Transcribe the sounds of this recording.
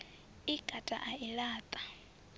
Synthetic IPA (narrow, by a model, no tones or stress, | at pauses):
iɡ̥ʱatʼa̰ʔailaːt̪ʼḁ